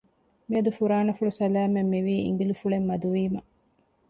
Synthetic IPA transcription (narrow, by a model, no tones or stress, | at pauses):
miɐd̪ufuɾaːnɐfuɭusɐlæːmemːiʋiːḭŋɡilufuɭemːɐd̪uʋiːmɐ